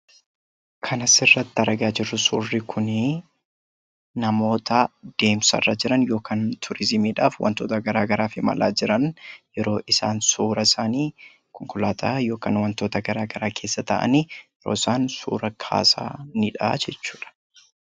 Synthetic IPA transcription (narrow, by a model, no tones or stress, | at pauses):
kʰɐnɐsɪrːɐt̪ːɪɐɾɐɡaːd͡ʒɪrːʊsʊːrːɪkʰʊnɪ | nɐmo̞ːt̪ɐd̪̥e̞ːmsɐ̰rːaːd͡ʒɪɾɐnjo̞ːkʰaːnt̪ʰʊɾɪzɪmiːᶑaːfwɐ̰nt̪oːt̪ɐɡɐɾaːɡɐɾaːfɪmɐ̰lʔa̰ːd͡ʒɪɾɐnjɛɾo̞ːʔɪsa̰ːnsuːɾɐɪsaːniː | kɔŋkʊlaːt̪ʰaːjo̞ːka̰ːnwɐnt̪o̞ːt̪ɐɡɐɾaːɡɐɾaːkʰe̞ːsːɐt̪ɐʔɐ̰niːjɛɾoːɪsaːnsṵːɾɐkʰa̰ːsa̰ːnɪᶑad͡ʒɛt͡ʃːuːᶑɐ̥